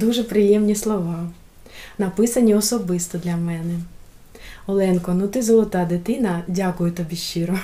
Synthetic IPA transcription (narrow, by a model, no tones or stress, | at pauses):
d̪uʒɛpɾɪjɛmnʲislˠɔʋɑ | nɐpɪsɐnʲiɔsɔbɪst̪ɔd̪lʲɐmɛnɛ | ɔlˠɛnkɔnut̪ɪzɔlˠɔt̪ɑd̪ɪt̪ɪnɐdʲakʊjʊt̪ɔbʲiʃiɾɔ